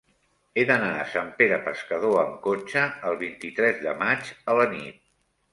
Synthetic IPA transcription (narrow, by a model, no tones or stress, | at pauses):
eðənaəsampeɾəpəskəð̞oəŋkot͡ʃəːlˠβ̞int̪it̪ɾɛzðəmad͡ʒələnḭt̪̚